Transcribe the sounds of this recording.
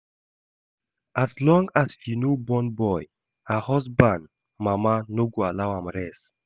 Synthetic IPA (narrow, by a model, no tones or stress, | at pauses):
ʔaslɔ̃ŋɡasfinobɔ̃nbɔj | hahɔsbãnd | mamanoɡoalawhãmɾɛs